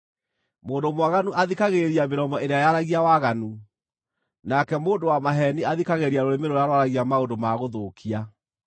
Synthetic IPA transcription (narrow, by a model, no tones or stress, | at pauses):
moːndomwaɣanuʔaðikaɣeɾiameɾɔmɔeɾeajaɾaɣiawaɣanu | nakɛmoːndowamaɦɛniaðikaɣeɾiaɾoɾemeɾojaɾwaɾaɣiamaondomaɣoðoːkʰia